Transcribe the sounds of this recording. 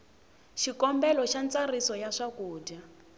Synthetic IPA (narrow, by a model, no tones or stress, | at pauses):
ʃikɔmbɛlɔʃant͡sarisɔjaʂakuːda